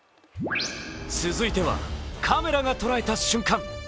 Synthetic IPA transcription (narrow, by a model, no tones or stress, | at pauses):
sɨzɨit̪e̞βa̰kʰame̞ɾaɡat̪o̞ɾae̞t̪aɕɨ̃ŋkãŋ